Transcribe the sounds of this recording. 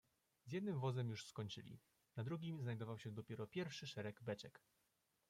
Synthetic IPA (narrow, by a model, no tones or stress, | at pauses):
zjɛd̪nɘmvɔzɛmjuʂskɔɲt͡ʂɘ̰lʲḭ | nad̪ɾuɡʲimznajd̪ɔvawɕɛd̪ɔpʲjɛɾɔpʲjɛɾfʂɘʂɛɾɛɡbɛt͡ɕɛk